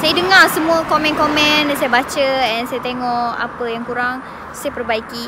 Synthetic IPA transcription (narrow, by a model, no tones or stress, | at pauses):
sajadəŋarsəmũəkomɛ̃nkomɛ̃ndsajabat͡ʃəɛnsajat̪eŋɔʔa̰pəjaŋkuɾaŋ | sajapərbaiki